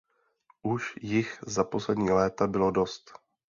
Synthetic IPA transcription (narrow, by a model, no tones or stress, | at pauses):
ʔuʃjɪxzapo̞slɛdɲiːlɛːt̪abɪlo̞do̞st̪